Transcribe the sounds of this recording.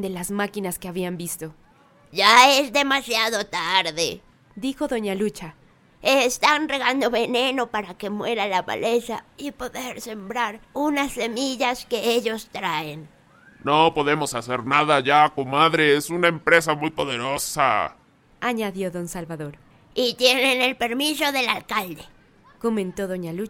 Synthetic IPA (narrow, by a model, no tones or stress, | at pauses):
d̪elazmakinaskeaβiambist̪o̞ | ʝaezd̪e̞masjaðot̪aɾðe | d̪ixo̞ðo̞ɲalut͡ʃa | est̪anreɣand̪o̞βe̞neno̞paɾake̞mwe̞ɾalaβa̰lʔe̞saipo̞ðe̞ɾse̞mbɾaɾunasːe̞miʝaske̞eʎo̞st̪ɾaen | nopo̞ðe̞mo̞saseɾnaðaʝakomaðɾeesunaempɾe̞samujpo̞ðeɾosa̰ | aɲaðjo̞ðo̞nsalβaðo̞ɾ | it̪je̞ne̞ne̞lpe̞ɾmiso̞ðe̞lalkald̪e | ko̞mẽnt̪o̞ðo̞ɲalu